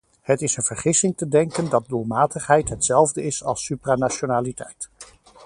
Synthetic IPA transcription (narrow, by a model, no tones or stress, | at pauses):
ɦətɪsənv̥əɹχɪsɪŋtədɛŋkəndɑt̚dulˠmaːtəχɦɛjtɦətsɛlˠvdəɪsɑlˠsypraːnaːt͡ʃonaːlitɛ̰jt